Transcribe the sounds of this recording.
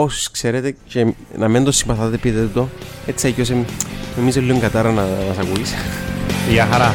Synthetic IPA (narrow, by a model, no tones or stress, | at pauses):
osi̥skse̞ɾet̪ece | nɐmend̪osːimpɐθɐðt̪epiðet̪o | et͡siɐcos̬enomizolːioŋɡɐt̪ɐɾɐnɐnɐsɐkuis | iɐxɐɾɐ